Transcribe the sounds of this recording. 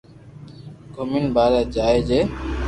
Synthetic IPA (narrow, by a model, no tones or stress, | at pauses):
ɡʱominbaːɾaːd͡ʒaːeːd͡ʒeː